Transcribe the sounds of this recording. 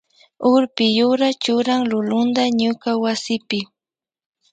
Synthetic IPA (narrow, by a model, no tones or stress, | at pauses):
ʊɾpɪjʊɾat͡ʃʊɾaŋlʊlʊnd̪aɲʊkawasɪpɪ